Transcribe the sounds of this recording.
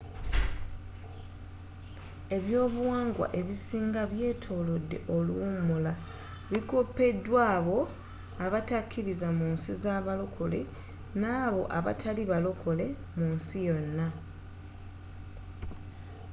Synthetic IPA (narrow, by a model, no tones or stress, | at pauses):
e̞βjo̞ːβuwaːŋɡwa̰ʔe̞βisiːŋɡaβje̞ːtʰo̞ːlo̞dːe̞̰ʔo̞luwumula | βiko̞pːe̞dːwaːβo̞ | aβatakʰːiɾizamunsizaβalo̞kʰo̞le̞ | naːβo̞ʔaβa̰tʰaliβalo̞ko̞le̞ | munsijo̞nːa